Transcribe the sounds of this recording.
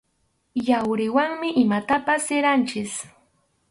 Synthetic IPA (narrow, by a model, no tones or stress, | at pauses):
jawɾɪwaŋmɪʔɪmat̪apasːɪɾant͡ʃɪs